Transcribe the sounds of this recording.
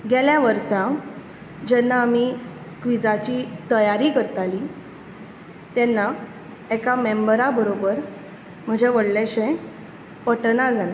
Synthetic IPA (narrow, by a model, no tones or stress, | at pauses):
ɡeljaʋəɾsa | d͡ʑɛnːaːmikʋid͡zat͡ɕiːt̪əjaɾikəɾt̪ali | t̪jɛnːa | ekamembəɾabəɾobəɾ | m̤əd͡ʑeʋəɽleɕẽ | pəʈnad͡zʱanẽ